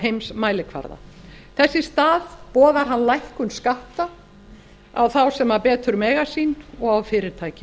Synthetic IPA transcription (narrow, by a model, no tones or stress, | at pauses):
ɦejmsmaːjlɪkʰva̰ɾða̰θɛsːɪst̪aːðpɔːðaɾ̥ɦanːlajhkʏnskaht̪a | a̰wθawsɛmaɾpɛːt̪ʏɾmɛːɣasiːnɔɣawfɪːɾɪɾ̥t̪ʰaːjcɪ